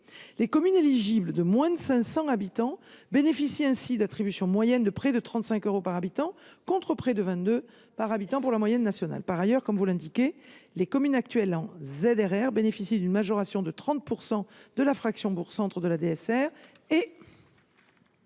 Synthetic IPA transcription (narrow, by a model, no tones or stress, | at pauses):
lekɔmyneliʒibləd̪əmwɛ̃d̪əsɛ̃sɑ̃abit̪ɑ̃benefisiɛ̃sid̪at̪χibysjɔ̃mwajɛnd̪əpχɛd̪ət̪χɑ̃t̪sɛ̃køʁopaʁabit̪ɑ̃kɔ̃t̪χəpχɛd̪əvɛ̃t̪d̪ø | paʁabit̪ɑ̃puʁlamwajɛnːasjɔna̰lpaʁajœʁkɔmvulɛ̃d̪ikʲelekɔmynak̚t̪ɥɛlɑ̃zed̪ɛʁɛʁbenefisid̪ynmaʒɔʁasjɔ̃d̪ət̪χɑ̃t̪̚puʁsɑ̃d̪̥əlafχaksjɔ̃buʁsɑ̃t̪χəd̪əlad̪eɛsɛʁ | e